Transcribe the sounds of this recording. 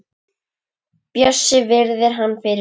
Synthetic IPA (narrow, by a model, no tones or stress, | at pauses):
pjœsɪvɪɾðɪɾ̥ɦanːfɪɾɪ